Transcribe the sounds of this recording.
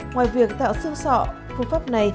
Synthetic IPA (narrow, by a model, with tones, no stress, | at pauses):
ŋwaː˨˩jvi˨˩ək̚t̪a̰ː˧˨wsɨ̰˧sɔ̰˧˨ | fu˧˩faː˦˥p̚na˨˩j